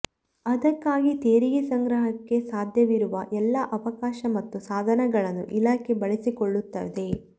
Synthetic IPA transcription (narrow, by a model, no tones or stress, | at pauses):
ɐd̪ɐkːaːɡit̪eːɾiɡisɐŋɡɾɐɦɐkːe̞saːd̪ʱjɐʋiɾuʋɐʔɛlːɐʔɐʋɐkaːʃɐmɐt̪ːusaːd̪ʱɐnɛɡɐɭɐnːuʔilaːkʰe̞bɐɭesikoɭːut̪ːɐd̪e̞